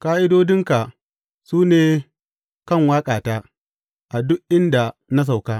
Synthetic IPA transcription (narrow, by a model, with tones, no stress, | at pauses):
kaː˦ʔɪ˦doː˦dɪ˦ŋka˨ | suː˦neː˨ | kɐ˦˨ŋwaː˦kʼaː˨taː˦ | ʔa˨dʊ˦kʔɪ˦nda˨na˦s̬a˨wkaː˦